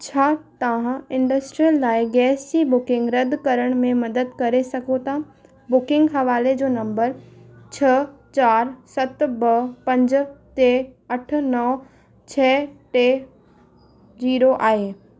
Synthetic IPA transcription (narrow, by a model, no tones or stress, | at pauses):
t͡ɕʰaːt̪ɐʋ̤ãɪ̃ɳɖəsʈɾijəlːaːɪɡɛːsibʊkɪ̃ŋɡɾɐd̪ʱkɐɾəɽ̃mẽmɐd̪əd̪kɐɾesɐɡʱot̪a | bʊkɪ̃ŋɡɦɐʋaːled͡ʑoːnɐ̃mbəɾt͡ɕʰɐt͡ɕaːɾsɐt̪bɐpɐ̃ɲd͡ʑt̪eːɐʈʰʊ̆nɐː | t͡ɕʰɛːʈeː | d͡ʑiːɾoʔaːɦeː